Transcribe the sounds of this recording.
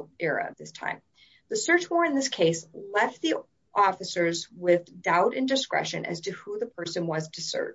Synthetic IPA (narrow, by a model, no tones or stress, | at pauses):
ɛɹɨ̰ʌ̰vðɪstʰã̰ɪ̃m | ðɨsɜ˞t͡ʃwɔɹɨ̃nðɪskʰeɪslɛft̪̚ði | ʔɔfɨsə˞zwɪðdaʊɾɨ̃ndɨskɹɛ̰ʃɨ̰̃nʔɨ̰z̥tʰɨhuðɨpʰɜ˞sɨ̃nwʌzdɨsɜ̰˞